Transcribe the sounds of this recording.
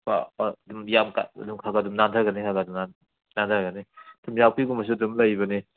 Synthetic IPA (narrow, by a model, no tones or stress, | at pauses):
ba̰dumjamka̰ɐ̰dumkʰaɡadumnantʰaɾɡanikʰaɡadumna | nantʰaɾɡɐnidumjawpiɡumɐs̬udumlajbɐni